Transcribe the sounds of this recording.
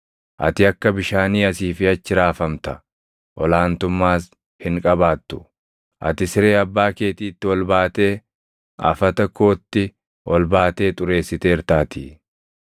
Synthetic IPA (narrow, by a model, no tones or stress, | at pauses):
ʔɐ̰t̪ɪɐkːɐbɪʃaːniːɐsiːfɪɐt͡ʃːɪɾaːfɐmt̪ɐ | ʔɔlaːnt̪ʊmːaːs | hɪŋkʼɐbaːt̪ːʊ̥ | ʔɐ̰t̪ɪsɪɾe̞ːɐbːaːke̞ːt̪iːt̪ːɪwɔlbaːt̪e̞ː | ɐ̰fɐt̪ɐkːo̞ːt̪ːɪ | wʔɔlbaːt̪e̞ːt̪ʼʊɾe̞ːsːɪt̪e̞ːɪɾt̪aːt̪i